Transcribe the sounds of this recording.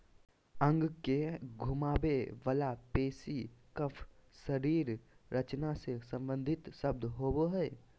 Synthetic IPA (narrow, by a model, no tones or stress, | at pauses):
ə̃ŋɡkeɡʱʊmaːbeʋɐlapeːsikəpʰʃəɾiːɾɾɐt͡ʃnasesɐ̃mbə̃nd̪ʱɪt̪ʃəb̚d̪ɦoːboɦɛː